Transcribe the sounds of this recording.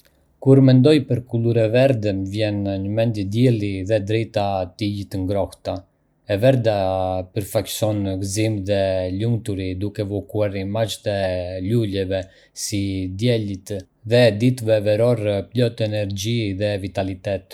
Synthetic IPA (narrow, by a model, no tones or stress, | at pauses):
kuɾmɛnd̪ɔjpəɾkuluɾɛvɛɾd̪ɛmvjɛnɲəmɛnd̪jəd̪jɛlˠiðɛd̪ɾɛjt̪at̪iɟit̪əŋɡɾɔht̪a | ɛvɛɾd̪apəɾfacsɔnɡzimðɛluŋt̪uɾid̪ukɛvɔkuaɾimat͡ʃt̪ɛlulɛvɛ | sid̪jɛlit̪ | ðɛd̪it̪vɛvɛɾɔɾplɔt̪ɛnɛɾd͡ʒiðɛvit̪alit̪ɛt̪